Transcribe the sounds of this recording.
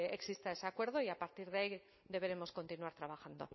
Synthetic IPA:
e̞ksist̪aeseakwe̞ɾðo̞iapaɾt̪iɾð̞eai | ðe̞βe̞ɾe̞mo̞sko̞nt̪inuaɾt̪ɾaβ̞axand̪o̞̰

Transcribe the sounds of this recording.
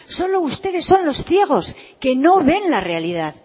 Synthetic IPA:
so̞lo̞ust̪e̞ðe̞sːo̞nlo̞sθje̞ɣ̞o̞ske̞no̞βe̞nlare̞aliðað

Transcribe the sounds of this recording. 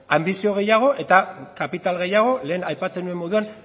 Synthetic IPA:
ambisio̞ɣ̞e̞jaɣ̞o̞ʔe̞t̪akapit̪alɣe̞jaɣ̞o̞le̞ːnajpat͡se̞nue̞mːo̞ðuan

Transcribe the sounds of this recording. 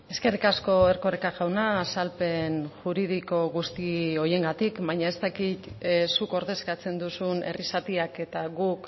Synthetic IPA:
e̞ske̞rikasko̞e̞rko̞rekaʝawnaːsalpe̞nʝuɾið̞iko̞ɣust̪io̞je̞ŋɡat̪ikβaɲae̞st̪akit̪suko̞ɾðe̞skat͡se̞nd̪usunʔe̞̰risat̪iake̞t̪aɣuk

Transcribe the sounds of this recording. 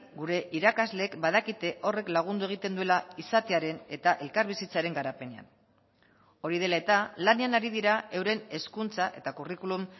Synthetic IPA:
ɡuɾe̞ʔiɾakazle̞ːkbað̞akit̪e̞ʔo̞re̞klaɣ̞und̪ue̞ɣ̞it̪e̞nd̪ue̞laisat̪e̞aɾe̞ne̞t̪aʔe̞lkaɾβisit͡saɾe̞ŋɡaɾape̞ne̞a̰n | o̞ɾið̞e̞lae̞t̪alaneanaɾið̞iɾae̞wɾe̞ne̞skunt͡saʔe̞t̪akurikulum

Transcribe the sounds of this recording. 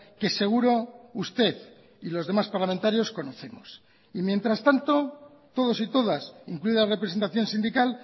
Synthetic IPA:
ke̞se̞ɣ̞uɾo̞ust̪e̞ð | ilozðe̞maspaɾlamẽnt̪aɾjo̞sko̞no̞θe̞mos | imje̞nt̪ɾast̪ant̪o̞ | t̪o̞ð̞o̞sit̪o̞ðasiŋkluiðalare̞pɾe̞se̞nt̪aθjo̞nsind̪ikal

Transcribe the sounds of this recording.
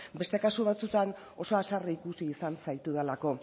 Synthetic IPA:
be̞st̪e̞kasuβ̞at͡sut̪an | o̞soasariːkusiːsant͡sajt̪uðelako̞

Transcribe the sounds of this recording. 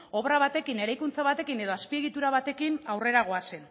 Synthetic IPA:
o̞βraβat̪e̞kine̞ɾajkunt͡saβat̪e̞kine̞ð̞o̞aspie̞ɣit̪uɾaβat̪e̞kinawre̞ɾaɣ̞o̞ase̞n

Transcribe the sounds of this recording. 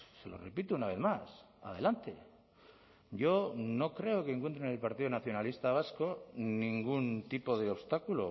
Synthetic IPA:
se̞̰lo̰repit̪uunaβ̞e̞θmas | a̰ðe̞̰lant̪e̞̰ | ɟ͡ʝo̞no̞kɾe̞oke̞ːŋkwent̪ɾenelpaɾt̪iðonaθjonalist̪aβasko̞nĩŋɡunt̪ipo̞ðeoβst̪akulo

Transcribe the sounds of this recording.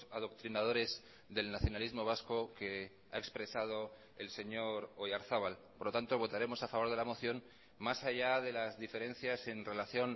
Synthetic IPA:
aðo̞kt̪ɾinað̞o̞ɾe̞z | ðe̞lnaθjo̞nalizmo̞β̞asko̞ke̞ | a̰e̞kspɾe̞sað̞o̞ | else̞ɲo̞ɾojaɾθaβalpoɾlot̪ant̪o̞β̞o̞t̪aɾe̞mo̞safaβo̞ɾð̞e̞lamo̞θjo̞n | masaʝaðe̞lazðife̞ɾe̞nθjase̞nre̞laθjo̞n

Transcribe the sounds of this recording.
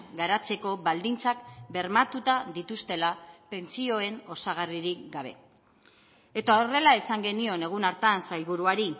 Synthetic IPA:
ɡaɾat͡se̞ko̞βald̪int͡sakbe̞ɾmat̪ut̪aðit̪ust̪e̞lape̞nt͡sio̞e̞no̞saɣ̞ariɾikɡaβ̞e̞ | e̞t̪ao̞re̞laesaŋɡe̞nio̞ne̞ɣ̞unaɾt̪ansajβuɾuaɾi

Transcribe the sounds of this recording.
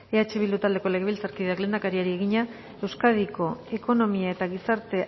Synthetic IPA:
e̞at͡ʃe̞βild̪ut̪ald̪e̞ko̞le̞ɣeβilt͡saɾkiðeaklend̪akaɾiaɾieɣ̞iɲa | e̞wskaðiko̞e̞ko̞no̞miae̞t̪aɣisaɾt̪e̞

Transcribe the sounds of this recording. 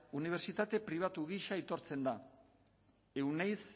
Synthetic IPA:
uniβ̞e̞ɾt͡ʃit̪at̪e̞pɾiβ̞at̪uɣiʃait̪o̞ɾt͡se̞nd̪a | e̞wnejs

